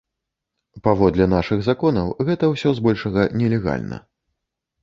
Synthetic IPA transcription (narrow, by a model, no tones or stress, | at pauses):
pavɔd̪lʲɛn̪aʂɨɣzakɔnɐwɣɛt̪ɐwsʲɔzbɔlʲʂɐɣɐnʲɛlʲɛɣa̰lʲnɐ̰